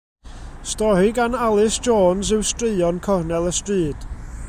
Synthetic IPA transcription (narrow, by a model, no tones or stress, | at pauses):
stɔɾiɡanalˠɪsd͡ʒoːnsɨwstrɪːɔnkʰɔrnɛlˠəstriːd̥